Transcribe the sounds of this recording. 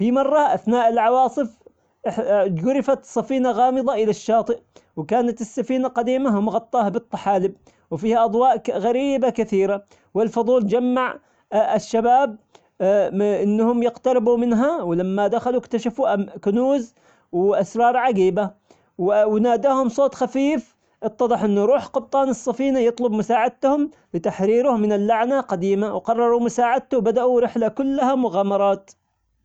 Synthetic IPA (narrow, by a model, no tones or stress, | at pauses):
fimɑrˤːɑʔaθnaːʔɪlʕɑwɑːsˤɨf | ɡʊɾɪfat̪sˤːɑfiːnaɣɑːmɨðˤɑʔɪlaʃːɑːt̪ˤɨʔwkaːnat̪ɪsːafiːnaqɑd̪iːmaɦʊmɣɑt̪ˤːɑːhabɨt̪ˤːɑ̥ħaːlɪb̚ | wfiːhaʔɑd̪ˤwɑːʔɣaɾiːbakɪθiːɾa | wɪlfʊðˤuːld͡ʒamːaʕ | ɪʃːabaːb̚ | ʔɪnːhʊmjɪqt̪ɑɾɪbumɪnɦawlamːad̪axalukt̪aʃafuʔkʊnuːz | wʔasɾˤɑːɾˤʕaɡiːba | wwnaːd̪aːhʊmsˤoːt̪ˤxafiːf | ʔɨt̪ˤːɑðˤɨħʔɪnːʊɾˤuːħqʊb̚t̪ˤɑːnɨsˤːɑfiːnajɨt̪ˤlʊbmʊsaːʕɪd̪̚t̪hʊm | bɪt̪aħɾiːɾʊhmɪnɪlːaʕnaqad̪iːmawqɑrˤːɑɾˤumʊsaːʕɪd̪̚t̪ʊwbad̪aʔuɾɪħlakʊlːahamʊɣaːmɑɾˤɑːt̪